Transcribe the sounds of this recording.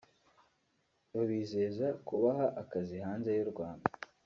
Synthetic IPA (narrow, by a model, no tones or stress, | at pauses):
βaβiːze̞ːzakuβaɦaʔakazihaːnze̞juɾɡwaːnda